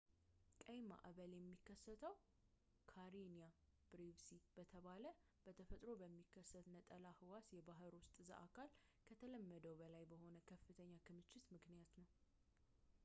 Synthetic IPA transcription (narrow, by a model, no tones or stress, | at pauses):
kʼəjma̰ʔaβəljɛmːikʰːəsːət̪ʰəw | kʰaɾinija | b̥ɾivsib̥ət̪ʰəβalə | b̥ət̪ʰəfət̪ʼɾo̞bəmːikːəsːət̪nət̪ʼəlahɨwasjɛbaɦɨɾwʊst̪ʼza̰ʔakʰalkʰət̪ʰələmːəd̪əwbəlajbəho̞nəkʰəfːɨt̪ʰəɲːakʰɨmɨt͡ʃːɪt̪mɨknijat̪nəw